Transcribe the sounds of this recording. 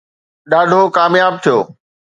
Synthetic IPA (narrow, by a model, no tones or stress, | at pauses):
ɗaːɖʱokaːmjaːb̚t̪ʰijoː